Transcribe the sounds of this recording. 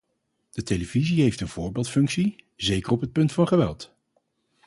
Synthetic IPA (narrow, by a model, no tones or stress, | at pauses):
d̥ətejləviziɦejftənv̥ʊːɹbeːlˠtfɵŋksi | zejkərɔpɦət̚pɵntfɑnχəʋɛ̰lˠt